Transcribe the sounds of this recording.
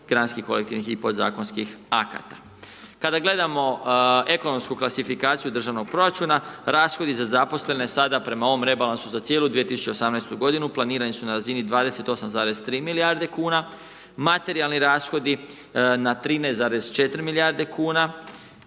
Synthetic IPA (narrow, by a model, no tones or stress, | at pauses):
ɡɾanskihko̞lek̚t̪iʋnixipod̪za̰ːko̞nskixaka̰t̪ḁ | kad̪aɡle̞d̪amo̞e̞ko̞no̞mskuklasifikaːt̪sijud̪r̩ʒaʋno̞ɡ̚pɾo̞ɾat͡ʃuːnaɾaːsxo̞d̪izazapo̞sle̞ne̞sad̪apɾe̞mao̞ʋo̞mɾe̞balansuzat̪sjeːlˠud̪ʋiet̪isu̥t͡ʃe̞osamnaːjst̪uɡo̞d̪inuplˠaniːɾanisunaɾazinid̪ʋaːd̪e̞se̞t̪o̞samzaːɾezt̪ɾiːmiliaɾd̪e̞kuːna | mat̪e̞ɾialˠniɾaːsxo̞d̪i | nat̪ɾiːnajszaːɾezt͡ʃe̞t̪ɾimiliaɾd̪e̞kʰuːna